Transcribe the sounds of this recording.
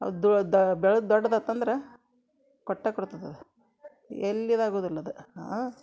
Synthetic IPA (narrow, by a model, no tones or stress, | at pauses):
ɐ̰d̪d̪bɛɭɐd̪ɔɽːɐd̪ɐt̪ːɐnd̪ɐɾe | kɔʈːakɔɽt̪ɐd̪ɐd̪e | elːid̪aːɡoːd̪ilːɐd̪e